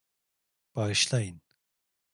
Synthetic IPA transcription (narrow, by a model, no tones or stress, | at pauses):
b̥aʃlˠajɯn